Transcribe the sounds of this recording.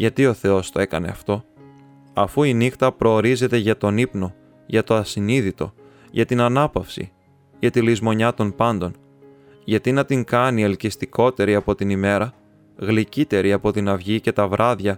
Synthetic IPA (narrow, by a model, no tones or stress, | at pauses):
ʝɐt̪io̞θe̞o̞st̪o̞e̞kɐne̞ɐft̪o̞ | ɐfuinixt̪ɐpɾo̞ːɾize̞t̪e̞ʝɐt̪o̞nipno̞ | ʝɐt̪o̞ɐsiniðit̪o̞̰ | ʝɐt̪inɐnɐpɐfsḭ | ʝɐt̪ilizmo̞ɲɐt̪o̞npɐnd̪o̞n | ʝɐt̪inɐt̪iŋkɐnielcist̪iko̞t̪e̞ɾiɐpo̞t̪inime̞ɾɐ | ɣlicit̪e̞ɾiɐpo̞t̪inɐvʝice̞t̪ɐvɾʔɐðʝɐ